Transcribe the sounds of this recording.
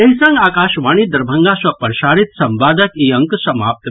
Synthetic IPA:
ɐɦisɐ̃ŋɡaːkaːʃʋaːɽñid̪ɐɾbʱɐ̃ŋɡaːswɐpɐɾʃaːɾit̪sɐmbaːd̪əkiɐ̃ŋksɐma̰ːp̚t̪

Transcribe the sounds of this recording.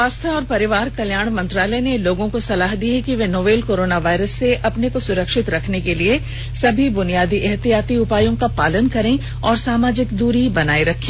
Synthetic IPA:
ʋaːst̪ʰəɔːɾpɐɾɪʋaːɾkɐljaːɽ̃mɐ̃nt̪ɾaːləneloːɡõkosɐlaːɦd̪iekiʋenoːʋeːlkoːɾoːnaʋaːɪɾəsːeʔɐpnekosʊɾəkʃɪt̪ɾɐkʰnekelie | sɐbʱibʊnijaːd̪iʔɛɦt̪ijaːt̪iʊpaːjõkapaːlənkɐɾẽ | ɔːɾsaːmaːd͡ʒɪkd̪uːɾibɐnaːeɾɐkʰẽː

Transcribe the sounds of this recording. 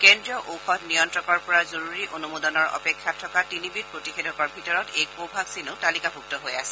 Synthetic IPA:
kɛndɹiɔʔoxʰɔtnijɔntɹɔkɔɹpɔɹazoɹuɹiʔonumodɔnɔɹɔ̰pɛkʰːatʰːɔkatinibit̚pɹotixedʱɔkɔɹbʱitɔɹɔtejpobʱaɡsinʊtalikabʱuk̚tɔɦojasɛ̥

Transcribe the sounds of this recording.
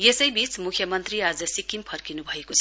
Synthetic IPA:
jesʌjbit͡smukʰjʌmʌnt̪riad͡zʌsikimpʰʌrkinubʱʌekot͡sʰʌ

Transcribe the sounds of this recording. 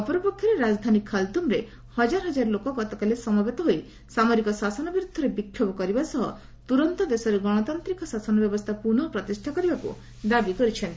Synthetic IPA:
ɔpɔɾɔpɔkʰːjɔɾeɾad͡ʒd̪ʱanikʰːalt̪umɾe | hɔd͡ʒaɾɔɦɔd͡ʒaɾlokɔɡɔt̪ɔkalesɔmabet̪ɔɦoj | samɔɾikɔsasɔnɔbiɾud̪ʱːɔɾebikʰːjɔbɔkɔɾibasɔɦɔ̰ | t̪uɾɔnt̪ɔd̪esɔɾeɡɔɽ̃ɔt̪ant̪ɾikɔsasɔnɔbjɔbɔst̪ʰapunɔpɾɔt̪isʈʰakɔɾibakṵ | d̪abikɔɾit͡ʃʰen

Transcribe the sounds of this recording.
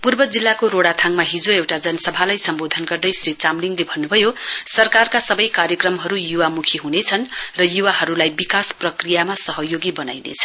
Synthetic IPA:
purbʌd͡zilːakoɾoɽat̪ʰaŋmaɦid͡zoewʈad͡zʌnʌsʌbʱalajsʌmbod̪ʱʌnɡʌrd̪ʌjsrit͡samliŋlebʱʌnːubʱʌjosʌrkarkasʌbʌjkaɾjʌkrʌmɦʌɾujuwamukʰiɦunet͡sʰʌnrʌjuwaɦʌɾulajbikasprʌkrijamasʌɦʌjoɡibʌnajnḛt͡sʰʌ̥

